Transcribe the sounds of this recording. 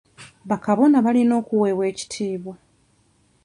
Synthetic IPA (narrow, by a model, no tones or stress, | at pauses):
βakaβo̞naβalino̞ːkuweːβwe̞ːci̥tʰiːβwa